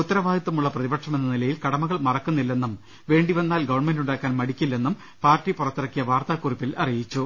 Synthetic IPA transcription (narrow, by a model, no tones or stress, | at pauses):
ut̪ːɐɾɐʋaːd̪it̪ːumuɭːɐprɐðibɐʈʂɐme̞nːɐnilɐjilkɐɽɐmɐɣɐɭmɐrɐkːunːilːe̞nːum | ʋe̞ːɳɖiʋɐnːaːlɡɐʋɐɳme̞nduɳɖaːkːaːnmɐɽikʲːilːe̞nːum | paːrtːipurɐt̪ːiɾɐkːijɐʋaːrt̪aːkːuripːilʔɐrijit͡ɕːu